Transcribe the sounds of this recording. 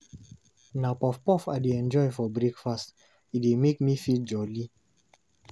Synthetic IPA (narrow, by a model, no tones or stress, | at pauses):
napɔfpɔfadeɛ̃nd͡ʒɔɪfɔbɹekfast | itwemekmifit̚d͡ʒɔli